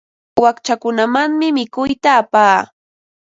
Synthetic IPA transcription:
wakt͡ʃakʊnamaŋmɪmɪkʊjt̪aːpaː

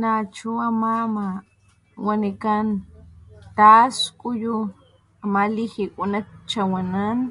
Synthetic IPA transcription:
nat͡ʃuamama | wanikan | t̪askʼuju | amalixikʼunak̚t͡ʃawanan

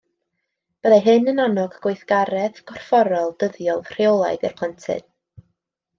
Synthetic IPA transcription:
b̥əðaɦɨnənanɔɡɡ̥wejθɡ̥aɾɛðɡ̥ɔr̥fɔɾɔlˠd̥əðjɔlˠvr̥iolˠa̰jɡɛ̰rpʰlˠantʰɨ̰n̥

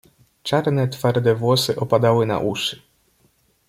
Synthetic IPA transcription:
t͡ʂaɾnɛt̪faɾd̪ɛvwɔsɘʔɔpad̪awɘna̰ʔuʂɘ̥

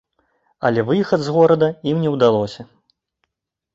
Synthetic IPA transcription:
ɐ̰lʲɛvɨxɐd̪zɣɔɾɐd̪ɐimnʲɛwd̪alˠɔsʲɐ

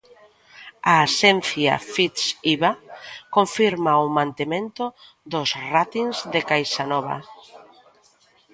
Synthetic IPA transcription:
aːsɛn̟θja̰fit̪siβakoɱfiɾmaʊmãnt̪emẽnt̪ʊ | ðʊsrat̪inzðekajsanɔβa̰

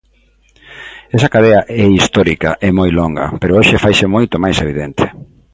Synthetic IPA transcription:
esɐkaðeɐʔɛist̪ɔɾikɐʔemojloŋɡɐ̰peɾooʃɪfajsemojt̪omajseβ̞iðent̪ʰe̥

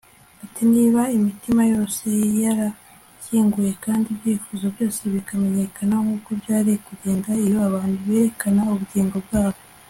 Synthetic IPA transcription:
atiniːβaimitimajo̞ːse̞jaɾa | ciːŋɡuje̞kaːndibjiːfuzo̞bjo̞ːse̞βikame̞ɲe̞kʰanaŋhuːkobɟaːɾijekuɟeːŋɡaijoaβaːnduβe̞ːɾe̞kanauβuɟiːŋɡo̞bɡaːβo

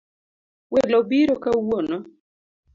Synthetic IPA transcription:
welɔbiɾokawonɔ

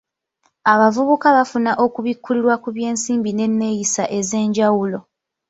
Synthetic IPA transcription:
aβavuβukaβafunaʔo̞kuβikːuliɾwakuβje̞ːnsiːmbine̞nːe̞jisaʔe̞ze̞ːɲɟawulo̞

